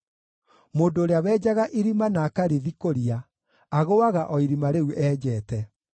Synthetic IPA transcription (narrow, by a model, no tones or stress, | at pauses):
moːndoːɾeawɛːd͡ʒaɣaʔiɾimanaːkaɾeðikoɾia | aɣowaɣaʔɔiɾimaɾeuʔɛːd͡ʑɛːtɛ